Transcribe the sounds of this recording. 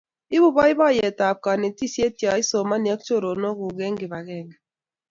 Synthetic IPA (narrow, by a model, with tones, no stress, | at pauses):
i˦bu˦bɔ˦i˦βa˦˨jɛ˨ta˨p̚ka˨ne˨ti˦sje˦tja˨i˦so˨ma˦ni˨a˦k̚t͡ʃo˦ɾo˨no˦ɡu˨ɡɛ˦ŋɡi˨βa˨ɣɛ˦˨ŋ˨